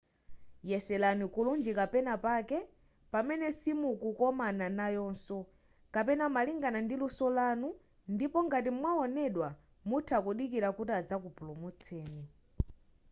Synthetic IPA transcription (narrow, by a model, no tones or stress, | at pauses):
jɛsɛlanikulund͡ʒikapɛnapakɛ | pamɛnɛsimukukɔmananajɔːnsɔ | kapɛnamaliŋɡanandilusɔlanu | ndipɔŋɡat̬imwaɔnɛɗwa | mutʰakuɗikiɾakutiad͡zak̬upulumut͡sʰɛːni